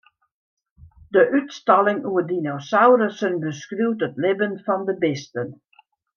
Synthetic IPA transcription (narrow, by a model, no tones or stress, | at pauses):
dəʔytstɑlɪŋuədinosawrɾəsənbəskruwtətlɪbənfɔndəbɪstən